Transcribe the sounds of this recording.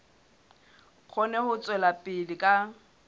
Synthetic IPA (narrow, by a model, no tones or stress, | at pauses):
k͡xʰɔnɛhʊt͡sʼwɛlapʼɪlɪkʼa